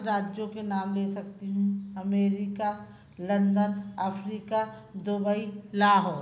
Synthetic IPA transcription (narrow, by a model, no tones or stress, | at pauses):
ɾaːd͡ʒjõkenaːmleːsɐk̚t̪iɦũɐmeːɾɪka | lɐ̃nd̪ənəfʰɾiːkad̪ʊbəilaːɦɔːɾ